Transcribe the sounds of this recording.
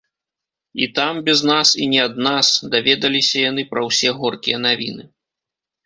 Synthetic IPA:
ḭt̪ambʲɛznasinʲɛɐd̪̚nasd̪avʲɛd̪ɐlʲisʲɐjan̪ɨpɾɐwsʲɛɣɔrkʲijɐn̪avʲḭnɨ

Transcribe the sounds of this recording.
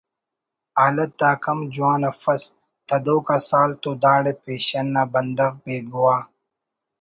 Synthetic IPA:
aːlɐt̪̚d̪aːkɐmd͡ʑuaːnɐfɐs | t̪ɐd̪oːkaːsaːlt̪oːd̪aːɽepeːɕɐnːaːbɐnd̪ɐɣpeːɡuwaː

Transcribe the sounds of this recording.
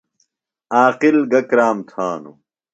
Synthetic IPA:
aːqilɡɐkɾaːmt̪ʰaːnṵ

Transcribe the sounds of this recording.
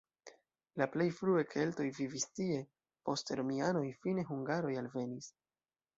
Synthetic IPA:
laple̞jfɾuekʰe̞lto̞jvivistie̞ | po̞steɾo̞miano̞jfine̞ɦuŋɡaɾo̞jalve̞nis

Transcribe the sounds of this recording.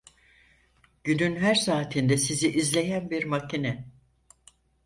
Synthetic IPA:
ɟ̥ynynɦæɾsaːt̪ʰind̪ɛsiziʔizlʲe̞jænbiɾmacʰinɛ

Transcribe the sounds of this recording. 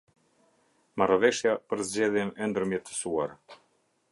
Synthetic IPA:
marɔvɛʃjapəɾzd͡ʑɛðjɛnɛnd̪əɾmjɛt̪ə̥suaɾ

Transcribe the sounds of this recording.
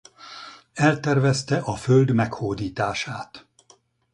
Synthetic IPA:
ɛlt̪ɛrvɛst̪ɛʔɒføld̪mɛkhoːd̪iːt̪aːʃaːt̪

